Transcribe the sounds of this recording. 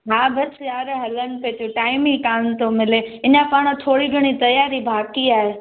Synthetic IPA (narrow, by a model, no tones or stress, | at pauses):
ɦaːbɐsjaːɾɦɐlənɪ̆peːt̪uʈaːɪmikaːnt̪omɪleɪnãpaːɽ̃ə̆t̪ʰoːɽiɡʱɐɽ̃it̪ɐjaːɾibʱaːkiaːɦe